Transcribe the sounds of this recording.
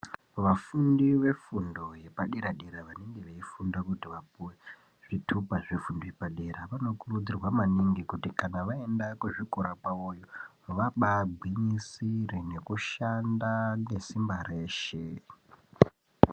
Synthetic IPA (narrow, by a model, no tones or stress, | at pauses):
ʋafundiʋe̞fundo̞je̞paɗeɾaɗeɾaʋaneŋɡe̞ʋeifundakutiʋapuwe̞ | ʐ̥itʰupaʐifundojepaɗeɾaʋano̞kurud͡zirwamaniŋɡikutikanaʋaendakuʐikoɾakaojo | ʋaɓaɡʱwiɲisirine̞kuʃandanɡe̞simbare̞ːʃe